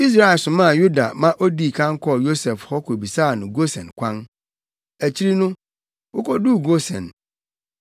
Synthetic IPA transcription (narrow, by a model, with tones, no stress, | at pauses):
i˦s̬ɾa˦˨ɪ˨sʊ̃˨mã˦˨ju˦da̰˨mã˦ʔo˦di˦˨kʰã˦ŋ˦kʰɔ˦˨jo˦sɛ˨fhɔ˦kʰo˨bi˨saː˦˨nʊ̃˨ɡo˦sɛ̰̃˨nkʷʰã˦n | æ˨t͡ɕʰi˦ɾi˦nʊ̃˦ | wo˦kʰɔ˦du˦˨ɡo˦sɛ̰̃˨n